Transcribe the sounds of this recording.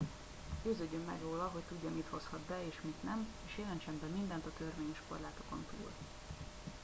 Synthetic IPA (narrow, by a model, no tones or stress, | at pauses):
ɟøːzøɟːømːɛ̰ɡroːlɒɦo̞ct̪uɟːɒmit̪ho̞shɒd̪̚bɛeːʃmit̪nɛmeːʃjeːlɛnt͡ʃɛmbɛmind̪ɛnt̪ɒt̪ørveːɲɛʃko̞̰rlaːt̪o̞ko̞̰nt̪ṵːl